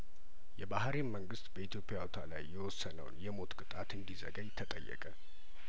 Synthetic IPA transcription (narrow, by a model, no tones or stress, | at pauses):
jɛbahɾeməŋɡɨst̪bəit̪jo̞pʼɪjaot̪ʰala̰jːɛwɔsːənə̰w̰njɛmo̞t̪kʼɨt̪ʼat̪ɨnd̪izə̰ɡəjt̪ʰət̪ʼə̰jːɛ̰kʼə